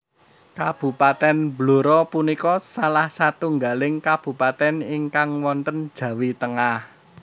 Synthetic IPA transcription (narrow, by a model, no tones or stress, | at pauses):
kab̥ṳpat̪ɛnbloɾɔpunikɔsalahsat̪uŋɡalɪŋkab̥ṳpat̪ɛniŋkaŋwɔnt̪ənd̥ʒ̥ä̤wit̪əŋah